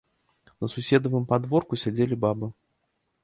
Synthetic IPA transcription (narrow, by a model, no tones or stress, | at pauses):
nɐsusʲɛd̪ɐvɨmpad̪vɔrkusʲad͡zʲelʲibabɨ